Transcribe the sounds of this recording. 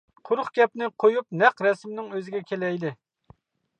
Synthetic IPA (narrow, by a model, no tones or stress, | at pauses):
qʰʊɾʊχɡʲɛpnɪqʰojup̚nɛqɾɛsmɪnɪŋøzɪɡʲɛkʲʰelɛjd̪ɪ